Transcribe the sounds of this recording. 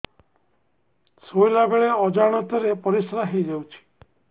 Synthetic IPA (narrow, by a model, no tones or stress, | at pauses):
sojlabeɭeɔd͡ʒaɽ̃ɔt̪ɔɾepɔɾisɔɾaɦejd͡ʒawt͡ʃʰi̥